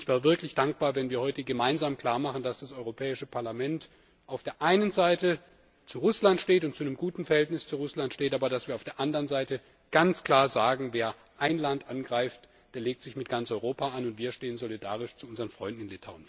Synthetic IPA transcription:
ʔɪçv̥aːvɪɐklɪçd̥aŋk̚b̥aːɐvɛnviːɐhɔʏtəɡəmaɪnzaːmkl̥aːɐmaχn̩d̥asd̥asʔɔʏʁopʰɛːɪʃəpʰaɐlamɛnt | ʔaʊfd̥eːɐʔaɪnənzaɪtə | t͡suʁʊslantʃteːtʊntt͡sunəmɡuːtn̩fɛɐhɛltnɪst͡suʁʊslantʃteːtʔaːbɐɾasv̥iːɐaʊfdeːɐʔandəʁənzaɪtə | ɡ̥ant͡skl̥aːɐzaːɡŋ̩veːɐ | ʔaɪnlantʔanɡʁaɪft | d̥eːɐleːk̚tz̥ɪçmɪt̚ɡ̥ant͡sʔɔʏʁoːpaanʊntv̥iːɐʃteːənzolida̰ːʁɪʃt͡suʊnzəʁənfʁ̥ɔʏndn̩ɪnlɪtʰaʊn

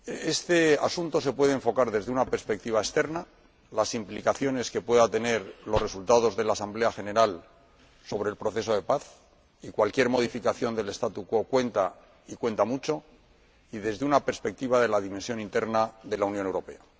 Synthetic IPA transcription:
e̞st̪e̞asunt̪o̞se̞pwe̞ð̞eeɱfo̞kaɾðe̞zðe̞unape̞ɾspe̞k̚t̪iβ̞aest̪e̞ɾna | lasimplikaθjo̞ne̞ske̞pwe̞ðat̪e̞ne̞ɾlore̞sult̪aðo̞zðe̞laːsamble̞axe̞ne̞ɾal | so̞β̞ɾe̞ːlpɾo̞θe̞so̞ð̞e̞paθ | ikwalkje̞ɾmo̞ð̞ifikaθjo̞nd̪e̞le̞st̪at̪uko̞kwe̞nt̪a | ikwe̞nt̪amut͡ʃo̞ | iðe̞zðeunape̞ɾspe̞k̚t̪iβaðe̞laðime̞nsjo̞nint̪e̞ɾnaðe̞launjone̞wɾo̞pe̞̰a

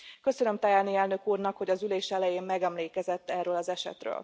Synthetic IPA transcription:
kø̞sønømt̪ajaːniɛlnø̞kuːrnɒkho̞ɟɒzyleːʃɛlɛjeːmmɛɡɛmleːkɛzɛt̪ːɛrøːlɒzɛʃɛ̰t̪rø̰ːl

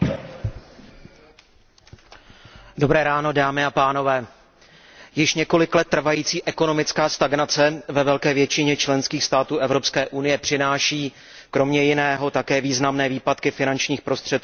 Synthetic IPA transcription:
do̞bɾɛːɾaːno̞daːmɪapaːno̞vɛː | jɪʃɲɛko̞lɪklɛt̪ːr̩vajiːt͡siːʔɛko̞no̞mɪt͡skaːst̪aɡnat͡sɛvɛvɛlkɛːvjɛt͡ʃɪɲɛt͡ʃlɛnskiːxst̪aːt̪uːʔɛvɾo̞pskɛːʔunɪjɛpr̝̥ɪnaːʃiː | kɾo̞mɲɛjɪnɛːɦo̞t̪akɛːviːznamnɛːviːpat̪kɪfɪnant͡ʃɲiːxpɾo̞st̪r̝̥ɛt̪̚kuː

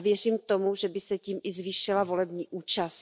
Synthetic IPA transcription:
vjɛr̝iːmt̪o̞muʒɛbɪsɛciːmʔɪzviːʃɪlavo̞lɛbɲiːʔuːt͡ʃas

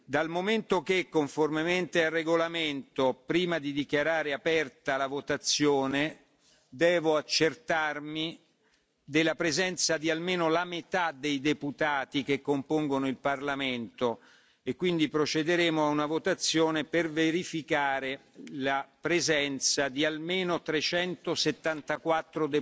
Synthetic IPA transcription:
d̪almoment̪okekːoɱformement̪ealrːeɡolament̪opɾiːmad̪id̪ikjaɾaːɾeapɛrt̪alavot̪at̪sːjoːne | d̪ɛːvoat͡ʃːert̪armi | d̪elːapɾezɛnt̪sad̪ialmeːnolamet̪ad̪ejd̪eput̪aːt̪ik̟ekːompoŋɡonoilparlamɪnt̪o | ekːwind̪ipɾot͡ʃed̪eɾeːmoaunavot̪at̪sːjoːneperveɾifikaːɾelapɾezɛnt̪sad̪ialmeːnot̪ɾet͡ʃɛnt̪oset̪ːant̪akwat̪ːɾod̪e

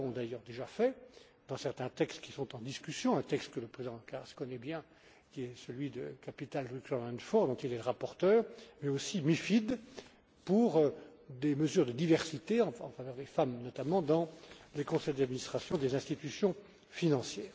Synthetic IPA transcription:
ɔ̃d̪ajœʁd̪eʒafɛ | d̪̥ɑ̃sɛʁt̪ɛ̃t̪ɛkst̪kʲi̥sɔ̃t̪ɑ̃d̪iskʲysjɔ̃ɛ̃t̪ɛkst̪kələpχezid̪ɑ̃kaʁaskɔnɛbjɛ̃ | kʲiɛsəlɥid̪ə̰kapit̪alʁikɛlɛ̃nfɔʁd̪ɔ̃t̪ilɛləʁapɔʁt̪œːʁmɛosimifid̪ | puʁød̪eməzyːʁd̪əd̪ivɛʁsit̪eɑ̃ɑ̰̃favœʁd̪efamnɔt̪amɑ̃d̪ɑ̃lekɔ̃sɛjd̪ad̪minist̪χasjɔ̃d̪ezɛ̃st̪it̪ysjɔ̃ | finɑ̃sjɛːʁ

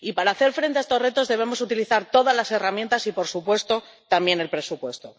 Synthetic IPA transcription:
ipaɾaːθe̞ɾfɾent̪eaest̪o̞re̞t̪o̞zðe̞β̞e̞mo̞sut̪iliθaɾt̪o̞ðazlase̞ramjent̪asipo̞ɾsupwe̞st̪o̞ | t̪ambje̞ne̞lpɾe̞supwe̞st̪o̞

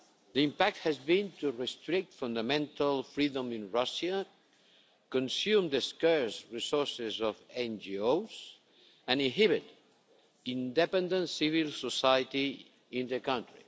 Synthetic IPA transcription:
d̪əĩmpak̚t̪hɛzbĩnt̪urɛst̪ɾik̚t̪fũnd̪amɛ̃nt̪alfɾid̪ɔ̃mĩnɹasa | kɔ̃nsjumd̪eskɛɹsɹisɔɹsezɔfɛ̃nd͡ʒiowz | ãnĩɦiβɪt | ĩnd̪ɛpɛ̃nd̪ə̃ntsivilsosajət̪i | ĩnd̪əkãnt̪ɾḭ

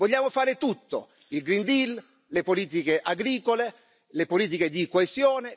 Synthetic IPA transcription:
voʎːaːmofaːɾɪt̪ut̪ːo̰ | ilɡɾind̪il | lepoliːt̪̬ikeʔaɡɾiːkole | lepoliːt̪̬iked̪ikoesjɔːne

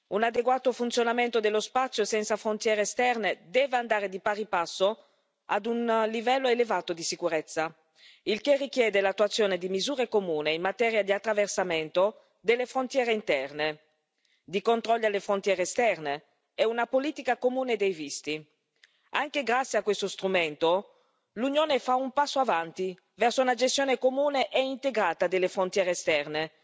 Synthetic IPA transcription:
unad̪eɡwaːt̪ofunt̪sjonamɛnt̪od̪elːospat̪sːjosɛnt̪safɾont̪jɛːɾeːst̪ɛrned̪ɛːveand̪aːɾed̪ipaɾipasːo | a̰d̪unlivɛlːoelevaːt̪od̪isikuɾɛt̪sːa | ilkerːik̟jɛːd̪elat̪ːwat̪sːjoːned̪imizuːɾekomuːneimːat̪ɛːɾjad̪iat̪ːɾaversamɛnt̪o | d̪elːefɾont̪jɛːɾeint̪ɛrne | d̪ikont̪ɾɔlːjalefɾont̪jɛːɾeːst̪ɛrne | ɛunapoliːt̪ikakomuːned̪ejvist̪i | aŋkeɡɾat̪sːiakːwest̪ost̪ɾumɛnt̪o | lunjoːnefaumpasːoavant̪i | vɛrsounad͡ʒes̬t̪joːnekomuːneʔɛint̪eɡɾaːt̪ad̪elːefɾont̪jɛːɾest̪ɛrne

